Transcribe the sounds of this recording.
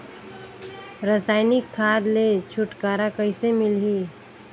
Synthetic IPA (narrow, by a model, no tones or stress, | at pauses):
ɾəsaːɪnɪkʰːaːɾlet͡ʃʰʊʈkaːɾakəɪsemɪlɦi